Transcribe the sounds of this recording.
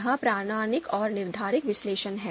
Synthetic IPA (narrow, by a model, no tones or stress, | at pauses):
ɦãpɾaːnaːnɪkɔːɾnɪɾd̪ʱaːɾɪkʋɪsleːʃənɦɛː